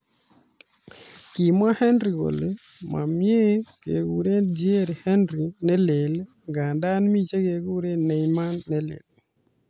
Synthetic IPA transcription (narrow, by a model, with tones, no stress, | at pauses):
ki˨ma˦hɛ˦ndɾi˨ɡo̰˨lema̰˨mje˦kḛ˨ɡu˨ɾe˦d͡ʒi˦e˦ɾhɛ˦ndɾi˨nɛ˦le˨l | ŋɡa˨nda˦nmi˦t͡ʃe˦ke˨ɡu˦ɾe˦nɛ˨jma˦nːɛ˦lḛ˨l